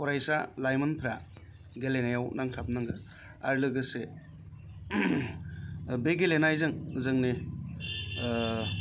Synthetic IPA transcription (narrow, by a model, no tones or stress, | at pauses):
kʰɔɾajsalajmɯnpʰɾa | ɡelenajawnaŋtʰap̚nɯŋɡɯ | a̰ɾlɯɡɯse | beɡelenajzɯŋɯzɯŋne